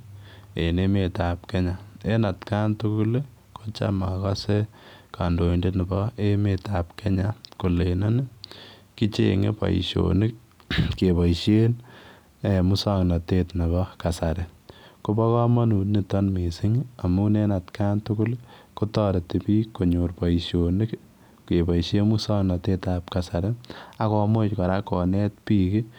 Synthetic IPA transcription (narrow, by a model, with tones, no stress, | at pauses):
e˨ne˦me˨ta˨p̚ke˦ɲa˨e˦na˨tka˦ntu˦ku˦l | ko˦t͡ʃa̰maka˦se˦ka˨ndo˨i˨nde˦nɪ˨bɔ˦e˦me˨ta˨pke˦ɲako˨le˨nɔ˦nɪ˦ | ki˦t͡ʃḛ˦ŋḛ˦pa̰˨ḭ˨ʃo̰nɪ˦k̚ | ke˨ba˨iʃe˦n | emu˦sa˦ŋnɔ˨tetna˨bɔka˨sa˨ɾe˨ | ko˦bɔ˦kɔ˦ma˦nu˨tni˨tɔnmi˨sɪ˦ŋa˨mu˦ne˦na˨tkantukʊ˦lkotɔ˦ɾe˨ti˨piː˦ko˨ɲo˨rpa˨iʃonɪ˦k | ke˨ba˨ʃe˦musa˦ŋna˨te˦tap̚ka˨sa˨ɾɛ˦a˦kɔ˦mo˦t͡ʃkɔ˨ɾa˦kɔ˨nɛ˦t̚piːki˦